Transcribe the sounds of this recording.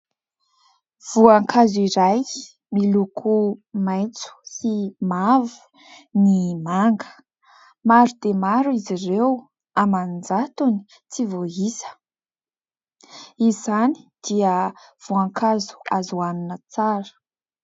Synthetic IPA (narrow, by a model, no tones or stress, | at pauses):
v̥uaŋkaziɾaj | milukʰumajt͡su̥simavu̥ | nimaŋɡə̥ | maɾud̪̥emaɾuizirew | amand͡zat̪uni̥ | t͡sivoɦisə̥ | izani̥d̪̥iəv̥uaŋkʰazu̥azuanunət͡saɾə̥